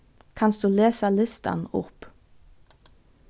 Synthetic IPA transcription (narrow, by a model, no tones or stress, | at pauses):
kʰɑnsd̪ʉːleːsɑlɪst̪ɑ̰nʊp